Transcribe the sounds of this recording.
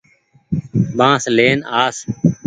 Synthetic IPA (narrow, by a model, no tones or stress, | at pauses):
bãːsleːnaːs